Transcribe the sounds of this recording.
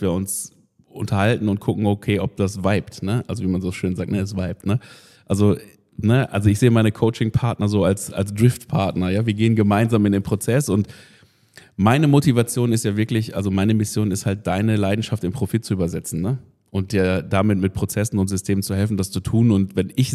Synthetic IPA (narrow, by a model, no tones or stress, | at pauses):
viːɐʊns | ʔʊ̰ntʰɐhaltn̩ʊnt̚kʰʊkŋ̩okʰeːʔɔp̚d̥asvaɪptnəʔa̰lzoviːmanzoːʃøːnzaːk̚tnəɛs̬v̥aɪp̚tnə | ʔalzo | nəʔa̰lzoɪçz̥eːəmaɪnəkʰoʊt͡ʃɪŋpʰaɐtnɐzoːalsa̰ls̬d̥ʁɪftpʰaɐtnɐjaːviːɐɡeːənɡəmaɪnzaːmɪndeːnpʁ̥ot͡sɛsʊnt | maɪnəmotivat͡sjoːnɪstjaːvɪɐklɪçʔa̰lzomaɪnəmɪsjoːnɪsthalt̚d̥aɪnəlaɪdn̩ʃaftɪmpʁ̥ofɪt̚t͡suʔyːbɐzɛt͡sn̩nə | ʔʊnt̚d̥iːɐdamɪtmɪt̚pʁ̥ot͡sɛsn̩ʊntz̥ʏstʰeːmənt͡suɦɛlfn̩dast͡sutʰuːnʊntvɛnɪç